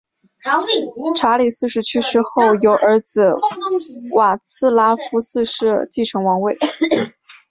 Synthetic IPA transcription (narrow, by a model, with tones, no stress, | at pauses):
ʈ͡ʂʰa˧˥li˨˩sɹ̩˥˩˧ʂɻ̩˧˥t͡ɕʰy˥ʂɻ̩˥xo˥˩ʊjo˧˥ʊʔə˞˧˥d͡zɹ̩˨˩ | wa˨˩t͡sʰɹ̩˥˩la˥fu˧˥sɹ̩˥˧ʂɻ̩˥˧t͡ɕi˥˩ʈ͡ʂʰɤ˧˥ŋwɑ˧˥ŋwe˥˩ɪ